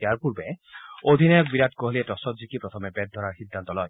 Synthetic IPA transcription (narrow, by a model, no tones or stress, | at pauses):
jaɹpuɾbeod̪ʱinɔjɔk̚biɾat̪kɔɦlietɔsɔtzikipɾɔt̪ʰɔmɛbɛd̪̚d̪ʱɔɾaɹxid̪ːant̪ɔlɔj